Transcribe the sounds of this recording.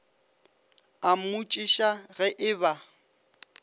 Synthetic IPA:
amut͡ʃʼiʃaɣɛʔɪba

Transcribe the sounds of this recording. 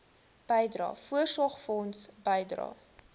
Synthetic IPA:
b̥əjdrɑ̰ːfuərsɔχfɔnsbəjdrɑ̰ː

